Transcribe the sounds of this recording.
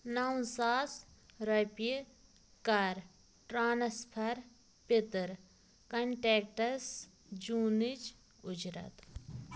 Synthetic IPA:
naw̃saːsɾɐpi | kɐɾ | ʈɾaːnɐspʰɐɾ | pit̪ɾ | kɐɳʈeːk̚ʈɐs | d͡ʒuːnid͡ʒ | ʊd͡ʒɾɐ̰t̪

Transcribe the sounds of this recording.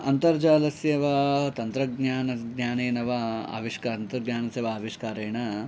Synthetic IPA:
ɐnt̪ɐɾd͡ʒaːlɐsjɐʋɐt̪ɐnt̪ɾɐɡ̚ɲaːnɐɡɲaːneːnɐʋɐa̰ːʋiʂkaːnt̪ɐɡɲaːnɐsjɐʋɐaːʋiʂkaːɾeːɳɐ

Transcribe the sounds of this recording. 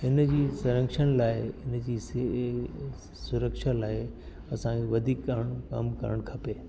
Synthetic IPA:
ɦɪnd͡ʑiːsɐɾə̃ŋkʃəñlaːɪɪnd͡ʑiːs | sʊɾəkʃalaːɪ | ɐsãeʋɐd̪ʱiːkːɐɾəɽ̃kɐ̰mkɐ̰ɾəɽ̃kʰɐpeː

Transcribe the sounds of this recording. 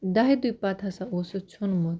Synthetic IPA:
d̪aɦid̪ujpat̪ʰasãosot͡ʃʰonmot̪

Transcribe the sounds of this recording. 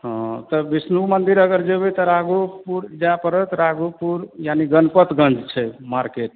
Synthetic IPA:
ɦɔ̃t̪əbisnumənd̪iɾəɡəɾd͡ʒebɛt̪ɔɾaɡupuɾd͡ʒapəɾət̪ɾaɡupuɾjaniɡənpət̪ɡə̃nd͡ʒt͡ʃʰɛmaɾkeʈ̚

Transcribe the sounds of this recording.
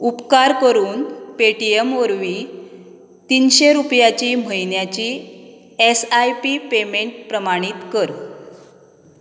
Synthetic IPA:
upkaɾkəɾuːnpeʈiemoɾʋiː | t̪iːnɕeɾupjat͡ɕiːm̤əjnjat͡ɕiː | esajpipemeɳʈ̚pɾəmaɽ̃iːt̪kəɾ

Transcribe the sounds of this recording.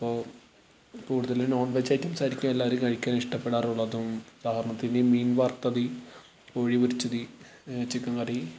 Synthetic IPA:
ipːoː | kuːɽuðɐlno̞ːɳɖʋet͡ɕːajtːɐmsaːɾikʲːumelːaːʋɐɾukɐɻikʲːaːniʂʈɐpːeɽaːruɭːɐðumud̪aːhɐɾɐɳɐt̪ːindemiːnʋɐrt̪ɐði | koːɻiʋɐɾit͡ɕːɐði | t͡ɕikːɐŋɡɐɽi

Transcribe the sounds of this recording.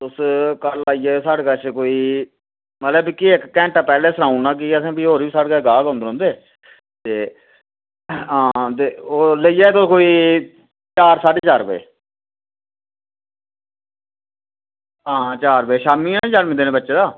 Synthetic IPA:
ʊskəɾlaːiːɛːsaːɽkət͡ʃkoːiː | mət̪ləbkiɪkːɛ̃ːɳʈaːpɛːleːsəɾãːũnãːk̬iəsẽːbiɦoːɾiːiːsaːɽkaːɡaːɡõːnd̪ɾõːnd̪eː | t̪eː | ɦãːt̪eːoːləiːɛːt̪oːkoːiː | t͡ʃaːɾsaːʈeːt͡ʃaːɾbḛː | ɦãːt͡ʃaːɾbeːʃaːmĩːɛ̃nẽːt͡ʃaːɾmĩːd̪eːnẽːbətːʃeːd̪aː

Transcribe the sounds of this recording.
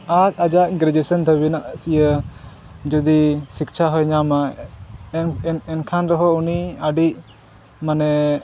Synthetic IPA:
at̚ad͡ʒaʔɡɾɛd͡ʒɛsənd̪ʱəbinaʔsijə | d͡ʒɔd̪isik̚t͡ʃʰaɦɔjɲama | nɛnkʰanɾɔɦɔuniaɖiʔ̚ | manɛ

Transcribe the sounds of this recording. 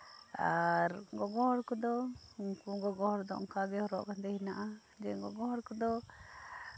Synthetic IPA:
aɾɡɔɡɔhɔɾkɔd̪ɔuŋkuɡɔɡɔhɔɾd̪ɔʔɔ̰ŋkaɡɛhɔɾɔʔkant̪ɛhinaʔa | d͡ʒɛɡɔɡɔhɔɾkɔd̪ɔ

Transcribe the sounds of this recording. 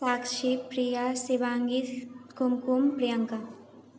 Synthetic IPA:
saːkʃipɾijasiʋãːŋɡit̪kumkumpɾijəŋka

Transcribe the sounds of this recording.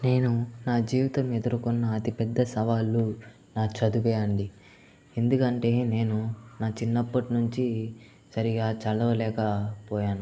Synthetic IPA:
ne̞ːnunaːd͡ʒiːʋit̪ɐme̞d̪uɾukunːɐːt̪ipɛd̪ːɐsɐʋaːlːu | naːt͡ʃɐd̪upɛːɐɳɖi | e̞nd̪ukɐɳʈe̞ːne̞ːnunaːt͡ʃinːɐpːɐʈinuɲt͡ʃi | sɐɾiɡaːt͡ʃɐlɐʋɐlɛːkɐpɔːjaːnu

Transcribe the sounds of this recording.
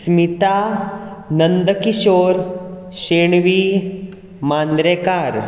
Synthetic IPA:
smit̪aː | nɐnd̪əkiʃoːɾ | ʃeːɳʋi | maːnd̪ɾeːkaːɾ

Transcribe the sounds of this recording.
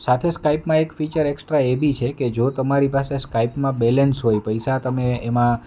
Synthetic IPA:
sat̪ʰeskaipmãekfit͡ʃəɾeksʈɾaebʱit͡ʃʰeked͡ʒot̪əmaɾipaseskaipmãbɛlənsɦojpəjsat̪əmeːmã

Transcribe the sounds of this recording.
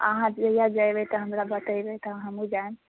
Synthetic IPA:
ə̰ɦãd͡ʒəjad͡ʒajbɛt̪ɔɦəmɾabət̪əjbet̪əɦəmũd͡ʒaem

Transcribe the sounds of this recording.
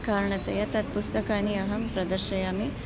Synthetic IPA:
kaːɾɐɳɐt̪ɐjɐt̪ɐt̪̚pust̪ɐkaːniɐɦɐmpɾɐd̪ɐɾʃɐjaːmi

